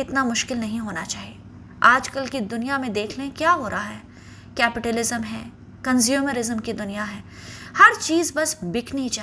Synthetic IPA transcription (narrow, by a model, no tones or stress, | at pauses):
ɪt̪namʊʃkɪlnɐɦĩɦoːnat͡ʃaːɦieː | aːd͡ʒkɐlkid̪ʊnijamẽd̪eːkʰlekjaːɦoːɾʔaɦaɦɛː | kɛːpɪʈəlɪzəmɦɛː | kɐ̃nzjuːməɾɪzəmkid̪ʊnijaɦɛːhɐɾt͡ʃiːzbɐsbɪkʰnit͡ʃa